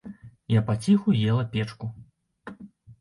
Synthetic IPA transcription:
japat͡sʲixujɛlˠɐpʲɛt͡ʂku

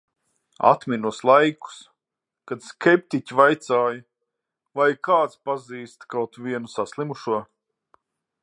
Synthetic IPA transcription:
a̰t̪minuɔslˠajku̥s | kad̪skʲɛp̚t̪icivajt̪saːjɐ | vajkaːt̪spaziːst̪kawt̪viɛnusaslˠimuʃuɔ

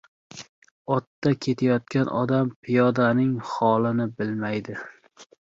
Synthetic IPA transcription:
ɒt̪ːakʲʰe̞t̪ʰajɒt̪̚kʲanʔɒ̰d̪ampʰɪjɒd̪anɪŋχɒlɪnɪbɪlmajd̪ɪ

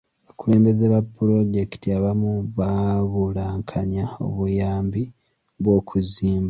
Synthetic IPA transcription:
βakule̞ːmbe̞zeβapːuɾo̞ɟe̞ki̥tiaβamuβaβulaːŋkʰaɲao̞̰βujaːmbi | βwo̞ːkʰuziːmba

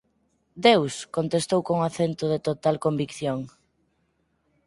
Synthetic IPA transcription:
d̪ewskont̪est̪owkoŋaθent̪oðet̪ot̪alkombikθjoŋ

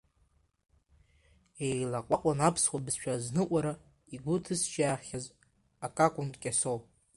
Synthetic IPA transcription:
ejlaqʷʼaqʷʼanapʰswʷabɨzʃᶣʰaznɨʔʷʼaɾa | iɡʷʊtʰɨst͡ʃaχʲaz | akʼakʷʼʊntʼkʲʼasow

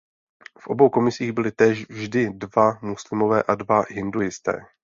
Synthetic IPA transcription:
fʔo̞̰bo̞wko̞mɪsiːɣbɪlɪt̪ɛːʃvʒdɪdvamuslɪmo̞vɛːʔadvaɦɪndujɪst̪ɛ̰ː

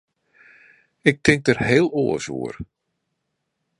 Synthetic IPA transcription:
ɪk̚tʰɪŋk̚dərheːlˠoːəso̰ːər

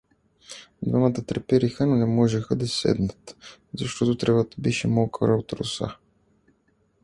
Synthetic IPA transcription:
d̪vamət̪ət̪ɾɛpɛɾixənonɛmɔʒɛxəd̪ɐsɛ̰d̪nət̪zɐʃt̪ɔt̪ʊt̪ɾɛvat̪əbɛʃɛmolˠkəɾəot̪ɾʊ̰sa̰

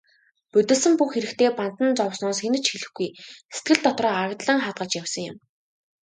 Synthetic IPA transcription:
pɵt̪ɵ̆ɮsɘ̆mpuxeɾɘ̆kt̪ʰeːpan̥t̪ə̆nt͡sɔwsnɔːsxenɘ̆t͡ɕxiɮɘ̆xɡujset̪̚ɡɘ̆ɮt̪ɔt̪rɔːaɣt̪ɮə̆ŋχaːt̪̚ɢə̆t͡ɕjæwsə̆ŋjʊ̰̆m

